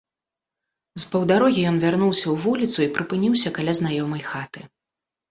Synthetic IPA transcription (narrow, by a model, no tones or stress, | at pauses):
zpɐwd̪aɾɔɣʲijɔnvʲarnuwsʲɐwvulʲit̪suipɾɨpɨnʲiwsʲɐkalʲaznajɔmɐjxat̪ɨ